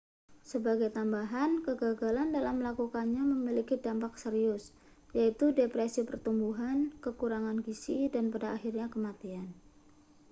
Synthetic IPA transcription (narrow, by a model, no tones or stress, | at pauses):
səbaɡajt̪ambaɦankəɡaɡalandalamːəlakukanɲaməmilikidampak̚səɾiʊs | jait̪udepɾesipərt̪umbuɦankəkuɾaŋanɡisidanpadaʔːhirɲakəmat̪ian